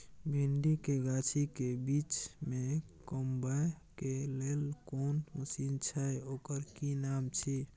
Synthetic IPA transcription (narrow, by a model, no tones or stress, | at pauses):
bʱiɳɖikeɡat͡ʃʰikebit͡ʃmekombəj | kelelkonusint͡ʃʰəeokəɾkinamt͡ʃʰi